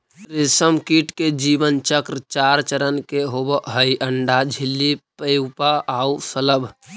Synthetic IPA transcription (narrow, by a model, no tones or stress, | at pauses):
ɾisəmkiʈked͡ʒibənt͡ʃəkɾt͡ʃaɾt͡ʃəɾənkeɦobəɦəiʔəɳɖad͡ʒʱilːipəjʊpaaːusələbʱ